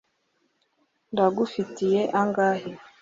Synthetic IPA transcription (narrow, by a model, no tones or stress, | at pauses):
ndaɡufitijeʔaŋɡaːɦe